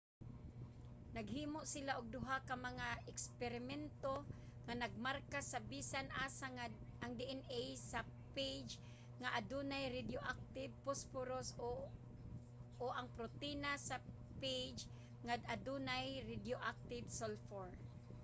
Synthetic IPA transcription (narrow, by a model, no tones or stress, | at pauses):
naɡɦiːmoʔsɪlaʔʊɡ̚d̪ʊɦakamaŋaɛkspɛɾɪmɛnt̪o | ŋanaɡ̚maɾkasabisanʔaːsaŋa | ʔaŋd̪iʔɛnʔejsa | pejd͡ʒ | ŋaʔad̪unajɾɪd̪joʔak̚t̪ɪb̚pospʊɾos | oʔaŋpɾʊt̪inasa | pejd͡ʒ | ŋad̪ad̪unajɾɪd̪joʔak̚t̪ɪbsolfoɹ